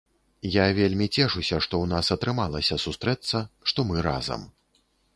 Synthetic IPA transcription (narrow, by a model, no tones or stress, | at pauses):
javʲelʲmʲit͡sʲɛʂusʲɐʂt̪ɔwnasɐt̪ɾɨmalˠɐsʲɐsust̪ɾɛt̪sːɐʂt̪ɔmɨɾa̰zɐ̰m